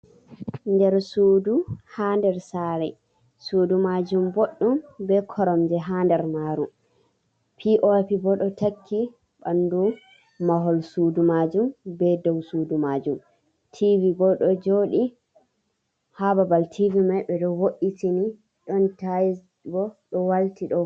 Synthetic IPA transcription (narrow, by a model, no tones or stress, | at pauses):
ndɛɾsuːduhandɛɾsaɾɛ | sudumad͡ʒumboɗːumbɛkʰɔɾɔmd͡ʒɛɦandɛɾmaɾum | pʰiʔopibɔɗɔtakʰːi | bandu | maɦɔlsudumad͡ʒumbɛdɔwsudumad͡ʒum | tʰivibɔɗɔd͡ʒoɗi | hababaltʰivimajɓɛɗɔwoʔitini | ɗɔntaj | bɔɗɔwaltiɗɔ